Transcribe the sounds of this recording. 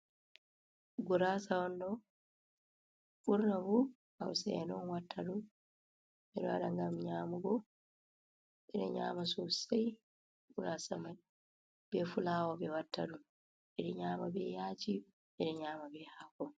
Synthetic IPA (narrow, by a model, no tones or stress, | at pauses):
ɡuɾasawɔndɔ | ɓuɾnabu | awsɛnɔnwatʰːaɗu | ɛɗɔwaɗaŋɡamɲaːmuɡɔ | ɛɗɛ̰ɲa̰masɔsaj | ɡuɾasamaj | bɛfulaːwɔbɛwatːa̰ɗum | ɛɗɛɲaːmabɛjaːt͡ʃi | ɛɗɛɲaːmabɛhakɔ